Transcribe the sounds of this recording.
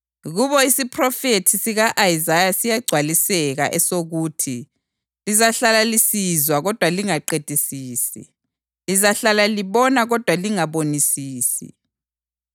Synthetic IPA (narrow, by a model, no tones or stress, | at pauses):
ɣuβɔisipʰrɔfetʰisiɣaʔaizajasijaɡ͡ǀʱwalisɛɣa̰ʔɛsoɣuːtʰi | lizaɬalalisizwaɣɔd̥ʱwaliŋaǃed̥ʼʱisiːsḭ | lizaɬalaliβɔnaɣɔd̥ʱwaliŋaβonisiːsḭ